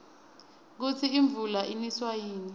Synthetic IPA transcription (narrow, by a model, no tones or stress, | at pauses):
k̬ut͡sʰiːɱb̪vulaʔiniswajiːni